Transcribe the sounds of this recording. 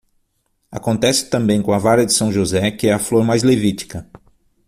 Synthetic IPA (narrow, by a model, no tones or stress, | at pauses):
a̰kõnt̪ɛsɪ̥t̪ɐ̃mbẽj̃kõɐvaɾɐd͡ʒɪsɐ̃w̃ʒozɛkɪɛɐfloɾmajzlevit͡ʃi̥kɐ